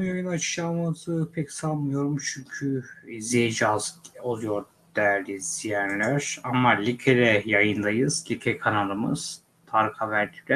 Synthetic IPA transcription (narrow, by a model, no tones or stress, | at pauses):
jojunat͡ʃʰɯ̥ʃamazɯːpʰɛcsalˠmɯjo̞ɾumt͡ʃʰyɲcʰyzied͡ʒazo̞lˠujo̞ɾ | d̪̥æɾd̪iz̥ijɛnlʲæɾ̥amːalʲicʲʰeɾɛjajɯnd̪ajɯz̥lʲicʰɛkʰanalˠɯmɯ̰z̥ | t̪ʰaɾkʰavæɾd̪id̪ɛ